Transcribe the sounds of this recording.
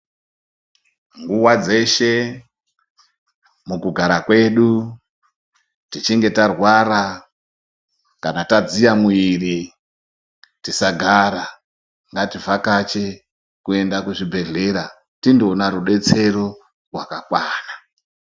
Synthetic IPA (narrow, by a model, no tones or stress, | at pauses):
ŋɡuwad͡ze̞ʃe̞ | mukuɡʱaɾakwe̞ɗu | tit͡ʃiŋɡe̞tarwaɾa | kanatad͡zijamwiri | tisaɡʱaɾa | ŋɡativakat͡ʃe̞ | kue̞ndakuʐibʱe̞ɮe̞ɾa | tindo̞naɾuɗe̞t͡se̞ɾo̞ | rwakakwaːna